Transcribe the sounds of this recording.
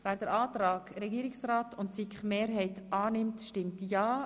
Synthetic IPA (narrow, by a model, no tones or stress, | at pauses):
væːɾd̥əɾʔɑːt̪ɾɑːɡ̥ɾɛɡiːɾɪksɾaːtʊntsikχmeːɾɦɛɪtʔɑːnɪmtʃtɪmtjɑː